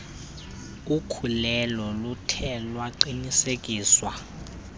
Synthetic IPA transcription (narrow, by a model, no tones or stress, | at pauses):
ukʰulɛlɔlutʰɛlwaǃinisek̬ʼiːswa